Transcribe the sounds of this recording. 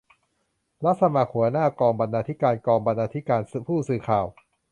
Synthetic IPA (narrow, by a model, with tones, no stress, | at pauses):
la˦˥t̪̚sa˧maː˨˧˩kʰhu˩˦ɐnaː˥˩kɔː˧ŋba˧nːaː˧t̪ʰi˦˥kaː˧nkɔː˧ŋba˧nːaː˧t̪ʰi˦˥kaː˧npʰuː˥˩sɯː˨˩kʰaː˨˩w